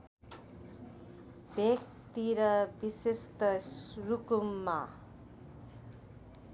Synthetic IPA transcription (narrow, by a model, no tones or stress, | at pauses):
bjʌk̚ | t̪iɾʌbisest̪ʌsrukumːa